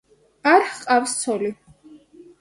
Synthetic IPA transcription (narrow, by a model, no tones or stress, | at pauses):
aɾχqʼafst̪sʰɔli